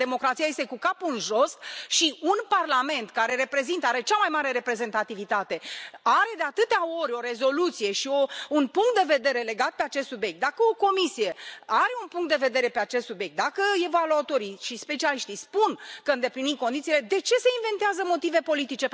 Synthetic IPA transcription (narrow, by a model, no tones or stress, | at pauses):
e̞mo̞kɾat̪sijajest̪ekukapunʒo̞st̪ʃiunparlame̞nt̪kaɾe̞ɾe̞pɾe̞zint̪əaɾe̞t͡ʃamajmaɾe̞ɾe̞pɾe̞ze̞nt̪at̪ivit̪at̪e̞aɾe̞d̪eat̪ɨt̪eao̞ɾʲo̞ɾe̞zo̞lut̪sije̞ʃio̞unpuŋkt̪d̪e̞ve̞d̪e̞ɾe̞le̞ɡat̪̚pe̞at͡ʃest̪subjek̚t̪d̪akəo̞ko̞misije̞aɾe̞unpuŋkt̪d̪eve̞d̪eɾe̞pe̞at͡ʃest̪subje̞k̚t̪̚d̪akəevaluat̪o̞ɾiʃispe̞t͡ʃialiʃt̪ispunkəɨnd̪e̞plinikonit̪sile̞d̪e̞t͡ʃe̞se̞inve̞nt̪eazəmo̞t̪ive̞po̞lit̪it͡ʃe̞